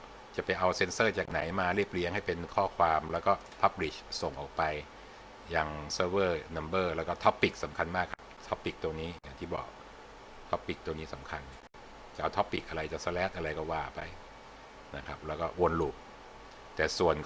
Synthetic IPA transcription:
t͡ɕa˨˩pa˧jʔa˧wse˧nsɤː˥˩t͡ɕaː˨˩k̚na˩˦jmaː˧ɾi˥˩p̚li˦˥əŋha˥˩jpe˧nkʰɔː˥˩kʰwaː˧mlɛː˦˥wkɔː˥˩ | pʰa˦˥p̚li˨˩so˨˩ŋʔɔː˨˩k̚pa˧j | jaː˨˩ŋsɤː˧˥bɤː˥˩na˧mbɤː˥˩lɛː˦˥wkɔː˥˩t̪ʰɔ˦˥pːi˨˩k̚sa˩˦mkʰa˧nmaː˥˩kʰːa˦˥p̚t̪ʰɔ˦˥pːi˨˩k̚t̪u˧ŋniː˦˥ja˨˩ŋʰiː˥˩bɔ̰ː˨˩k̚ | t̪ʰɔ˦˥pːi˨˩k̚t̪u˧ŋniː˦˥sa˩˦mkʰa˧nːi˧˥˩ə | t͡ɕa˨˩ʔa˧wt̪ʰːpːi˨˩k̚ʔa˧ɾa˧jt͡ɕa˨˩sa˧˥lɛː˦˥t̪̚ʔa˧ɾa˧jkɔː˥˩waː˧˥˩pa˧j | na˦˥kʰa˦˥p̚lɛ˦˥wkɔː˥˩ʔo˧nluː˨˩k̚ | t̪ɛː˨˩su˨˩ənk

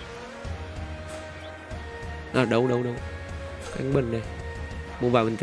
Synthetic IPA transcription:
ʔaː˨˩ɗə˨˦wɗə˨˧˦wɗə˨˧w | ka̰˧˦ŋ̟ɓə˨˩nɗə˨˩mo˨˩vaː˧˩ɓə˨˩nt̪

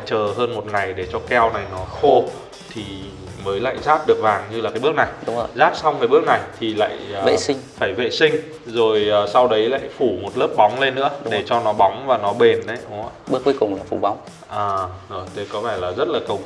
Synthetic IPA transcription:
t͡ɕəː˨˩ɦəː˧nmo˨˩t̚ŋa˨˩jɗe˧˩t͡ɕɔ˧kɛ˧wna˨˩jnɔ˨˦xo˧ | t̪ʰi˨˩ | məː˨˦jla̰ː˧˨jzaː˦˥t̚ɗɨ˨˩ək̚vaː˨˩ŋɲɨ˧laː˨˩kaː˨˦jɓɨ˦˥ək̚na˨˩jɗʊ̰˨˦˧zaː˦˥t̚sa˧wŋ͡mkaː˨˦jɓɨ˦˥ək̚na˨˩jt̪ʰi˨˩la̰ː˧˨jḛ˧˨i˧ŋfaː˧˩jvḛ˧˨sï˧ŋ̟ | zo˨˩jʔəː˨˩sa˧wɗə˨˦jla̰ː˧˨jfu˧˩mo˨˩t̚lə˦˥p̚ɓa˨˦wŋ͡mle˧nːɨ̰˧˥ə˨ɗe˧˩t͡ɕɔ˧nɔ˨˦ɓa˨˦wŋ͡mvaː˨˩nɔ˨˦ɓe˨˩nɗə˨˦jʔʊ˨˦ŋ͡mə˧˨˩ɓək̚wu˨˦kʊ˨˩ŋ͡mlaː˨˩fu˧˩ɓa˨˦wŋ͡m | ʔaː˨˩ɗo˨˩jɗə˧˩jkɔ˨˦faː˧˩jlaː˨˩zə˦˥t̚laː˨˩kə˨˩w

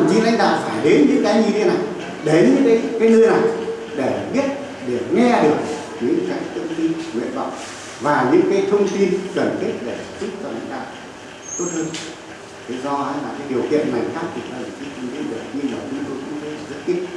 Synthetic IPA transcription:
nt͡ɕi˧la̰˧jŋɗa̰ː˧˨faː˧˩jɗe˨˦nɲɨ̰˧˥ŋkaː˨˦ɲi˧t̪ʰe˧na˨˩j | ɗe˨˦ɲɨ̰˧˥kaː˨˦kaː˨˦jnɨ˧ə˧jna˨˩j | ɗe˧˩ɓi˦˥ət̚ | ɗe˧˩ŋɛ˧ɗɨ˨˩ək̚ | ɲɨ̰˧˥ŋkaː˨˦jt̪ʰə˧wŋ͡mt̪i˧nŋwḭ˧˨ənɓə̰˧˨wŋ͡m | vaː˨˩ɲɨ̰˧˥ŋkaː˨˦jt̪ʰə˧wŋ͡mt̪i˧nkə˨˩nt̪ʰi˦˥k̚ɗe˧˩˨zʊ˦˥p̚t͡ɕɔ˧la̰˧jŋ̟ɗa̰ː˧˨w | t̪o˦˥t̚həː˧n | t̪ʰe˨˦zɔ˧ha˧jlaː˨˩kaː˨˦jɗi˨˩əwkḭ˧˨ənːa˨˩jt͡ɕaː˦˥w̚t̪ʰi˨˩ka˨˦ə˨˩t͡ɕi˨˧˦kʰi˧ŋɗḭ˧˦nɗɨ˨˩ək̚ɲɨ˧nɗə˨˩wt͡ɕʊ˨˦ŋ͡mt̪o˧jt͡ɕʊ̰˧˥ŋ͡mt̪o˧˦˨zə˦˥t̚ki˦˥t̚

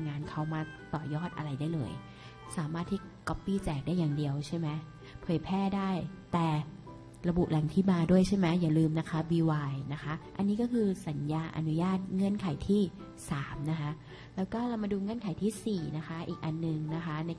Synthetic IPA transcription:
ŋaː˧nkʰa˧˩wmaː˧t̪ɔː˨˩jɔː˥˩t̪̚ʔa̰˧ɾa˧jdaː˥˩jlɤ̰ː˧j | saː˨˩˦maː˥˩t̪ʰːiː˥˩kɔ˦˥pːiː˥˩t͡ɕɛː˨˩k̚daː˥˩jːaː˨˩ŋdi˨˧əwt͡ɕʰa˥˩jmɛ˦˥ | pʰɤː˨˩jpʰɛː˥˩daː˥˩jt̪ɛː˨˩ | ɾa˧bu˨˩ʔlɛ˨˩ŋt̪ʰiː˥˩maː˧du˥˩əjt͡ɕʰa˥˩mɛ˦˥jaː˨˩lɯː˧mna˦˥kʰa˦˥wiː˧waː˧jna˦˥kʰa˦˥ʔʔa̰˧nːiː˦˥kɔː˥˩kʰɯː˧sa˨˩˦njaː˧ʔa̰˧nu˦˥jaː˥˩t̪̚ŋɤ˧˩ənkʰa˨˩˦jt̪ʰiː˥˩ | saː˩˦mna˦˥kʰa˦˥ʔ | lɛː˦˥wkɔː˥˩la˧wmaː˧duː˧ŋɤ˧˥ə˨nkʰa˨˩˦jt̪ʰiː˥˩siː˨˩na˦˥kʰa˦˥ʔiː˨˩k̚ʔa˧nːɯ˨˩ŋna˦˥kʰa˦˥na˧j

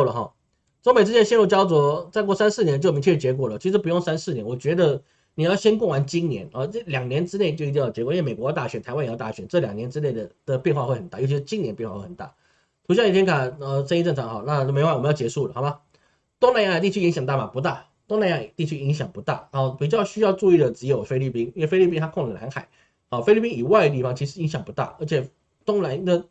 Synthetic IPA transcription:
lə˨˩xɔ̰˨˩ | ʈ͡ʂo˥ŋme˨˩ɻ̩˥˧t͡ɕjɛ˥˩˧ɕjɛ˥˧nɻu˥˩t͡ɕjɑ˥ʊt͡swɔ˧˥t͡sa˥˧ɪkwɔ˥˩sa˥nsɹ̩˥˩njɛ˧˥n˧t͡ɕt͡ɕʰɛ˥˩˥t͡ɕjɛ˧˥k̬wɔ˨˩lə˩t͡ɕʰi˧˥ʂɻ̩˧˥p̬u˧˥jo˥˩ŋsa˥nsɹ̩˥˩njɛ˧˦nwɔ˨˩t͡ɕɥɛ˧˥d̪ə˧ | ni˨˩jɑ˥˩ʊɕjɛ˥nk̬wwa˧˦nt͡ɕi˥nnjɛ̰˧˥˦nɔ˥˩˥ljɑ˨˩ŋnjɛ˧˥nʈ͡ʂɻ̩˥ne˥˩ɪt͡ɕjo˥˧ʊi˥t̪̬i˧jɑ˥˩t͡ɕjɛ˧˥kɔ˨i˥we˨˩wɔ˧˥jʊt̪a˥˩ɕɥɛ˧˥nt̪a˧˥ɪa˥njjt̪a˥˩ɕɥɛ˧˦nʈ͡ʂɤ˥˩ljɑ˨˩ŋnjɛ˧˥nʈ͡ʂɻ̩˥ne˥˩ɪd̪ə˩d̪̥ə˨pjɛ˥˧nxwa˥˧xwe˥˩ɪxə˨˩t̪a˥˨jʊt͡ɕʰʂ̩˧˥t͡ɕi˥niɛ˧˥n˩pjwa˥˧wxə˨˩t̪a̰˥˩ | t̪ʰu˧˥ɕ̬jɑ˥˩ŋi˨˩t̪ʰjɛ˥kʰa˥˩ə˧˩ʂə˥ni˥˧ʈ͡ʂɤ˥˩ŋʈ͡ʂʰɑ˧˥ŋxɑ˨˩ʊna˥˧˨me˧˥˧m˧˦jt͡ɕjɛ˧˥ʂu˥˩lə̰˨˩xɑ˨˩˦a˧˦ | t̪ʊ˥ŋna˥˧ɪja˥˩˧t̪i˥˩t͡ɕʰy˥i˧˥ŋɕjɑ˨˩ŋt̪a˥˩ma˨˩pu˧˥t̪a˥˩ | t̪ʊ˥ŋna˥˧ɪa˥˩t̪i˥˩t͡ɕʰy˥i˧˥ŋɕjɑ˨˩ŋpu˧˥t̪a̰˥˩n˧˥˧pi˨˩t͡ɕjɑ˥˧ʊɕy˥jɑ˥˧ʊʈ͡ʂu˥˧i˥˩d̪ə˩ʈ͡ʂɻ̩˧˥jo˨˩ʊfe˥ɪli˥˩pi˥ni˥nwe˥˧fe˥ɪi˥˧pi˥nt̪ʰa˥kʰʊ˥˩ŋlə˨˩na̰˧˥nxa˨˩˦ɪ˧˩ | fe˥ɪli˥˩pi˥ŋi˨˩wa˥˩ɪɡə˧t̪̬i˥˩fɑ˧ŋt͡ɕʰi˧˥ʂ̬̩˧˥i˧˥ŋɕjɑ˨˩ŋpu˧˥t̪a̰˥˩ə˞˧˥t͡ɕʰjɛ˨˩ | t̪ʊ˥ŋna˧˥nd̪ə˥˧

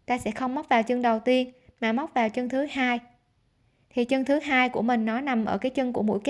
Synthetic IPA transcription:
t̪aː˧sɛ̰˧˥xə˧wŋ͡mma˦˥k͡p̚vaː˨˩wt͡ɕɨ˧ŋɗə˨˩wt̪i˧ənmaː˨˩ma˦˥k͡p̚vaː˨˩wt͡ɕə˧ŋt̪ʰɨ˨˦haː˧j | t̪ʰi˨˩t͡ɕə˧ŋt̪ʰɨ˨˦ɦaː˧jku˧˩əmï˨˩ŋ̟nɔ˨˦na˨˩mʔəː˧˩kaː˨˦jt͡ɕɨ˧ŋku˧˩əmṵ˧˥˨jk

